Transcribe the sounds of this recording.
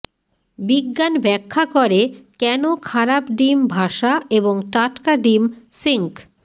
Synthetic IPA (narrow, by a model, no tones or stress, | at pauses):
biɡːanbɛkʰːakoɾekɛnokʰaɾapɖimbʱaʃaʔeboŋʈaʈkaɖimsiŋk